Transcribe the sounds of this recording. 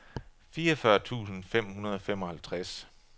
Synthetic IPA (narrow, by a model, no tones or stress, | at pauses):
fiːɐfɶɐt͡sʰṵːsn̩fem̰hunɐð̞ˠɒfem̰ɒ̽hælt͡sʰʁas